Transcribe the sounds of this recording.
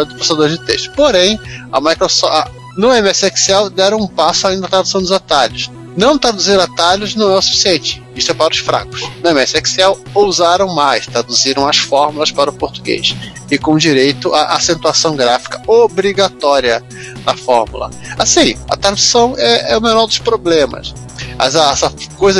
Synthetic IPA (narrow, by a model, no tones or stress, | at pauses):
d̪ʊposad̪oɾzd͡ʒɪt̪ɛʃt̪ʊ̥poɾẽj̃ɐ̰majkɾosɔ | nʊẽmɛsɛksɛwd̪ɛɾɐ̃ũpasʊaĩnd̪ɐt̪ɾad̪usɐ̃w̃d̪ʊzat̪aʎʊs | nɐ̃w̃t̪ɾad̪uzĩd̪ʊat̪aʎʊznɐ̃w̃ɛʊsu̥fi̥siẽnt͡ʃɪ̥ | iʃst̪ʊɛpaɾɐʊsfɾa̰kʊ̥snʊẽmɛsɪɛksɛw | owzaɾɐ̃w̃majst̪ɾad̪uziɾɐ̃w̃ɐsfɔɾmulɐspaɾʊpoɾt̪uɡḛjs | ɪkõd͡ʒiɾejt̪ʊʔaʔasẽnt̪uasɐ̃w̃ɡɾafi̥kɐobɾiɡat̪ɔɾiɐ | ɐfɔɾmṵlɐ̰ | asĩɐ̰t̪ɾad̪usɐ̃w̃ɛɛʊmenɔɾd̪ʊʃpɾoblẽmɐ̰s | a̰zasɐkojzɐ